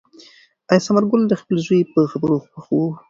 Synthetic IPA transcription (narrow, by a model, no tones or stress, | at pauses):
ajsamaɾɡʊld̪əxpəlzujepəxabəɾoxpaxwu